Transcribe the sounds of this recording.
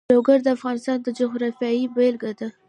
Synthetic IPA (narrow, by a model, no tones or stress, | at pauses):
oɡaɾd̪əafɣɑnɪst̪ɑnd̪əd͡ʒʊɦɾɑfjɑibelɡad̪a